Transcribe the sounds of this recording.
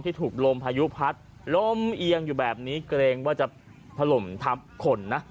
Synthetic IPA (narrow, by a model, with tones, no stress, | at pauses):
t̪ʰiː˥˩t̪ʰuː˨˩k̚lo˧mpʰaː˧ju˦˥pʰa˦˥t̪̚ | lo˧˥˩mʔi˧əŋjuː˨˩bɛː˨˩p̚niː˦˥kɾeː˧ŋwaː˥˩t͡ɕa˨˩ | t̪ʰa˧lo˨˩mt̪ʰa˦˥p̚kʰo˧nːa˦˥ʔ